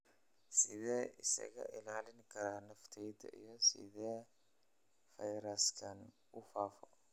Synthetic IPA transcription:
sɪðɛːʔɪsɐ̰ɣɐ̰ʔɪlaːlɪŋkʰɐɾaːnɐft̪ʰɛjd̪ɐ̰ʔijɔsɪ̰ðɛː | fɐjɾɐskʰɐn | ʊfaːfɔ

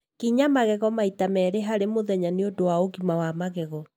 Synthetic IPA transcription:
kiɲamaɣɛɣɔmaitamɛːɾeɦaɾemoðɛɲaneodowaoɣimawamaɣɛɣɔ

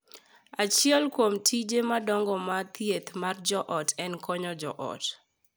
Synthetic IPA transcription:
at͡ʃɪɛlkwomtʰid͡ʒemadɔŋɡɔmat̪jet̪mard͡ʒɔʔɔtɛnkʰɔɲɔd͡ʒɔʔɔ̰t

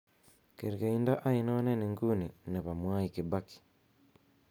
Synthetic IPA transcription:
keɾikaiːndaʔainoneneŋɡunineβamwaːjikibaki̥

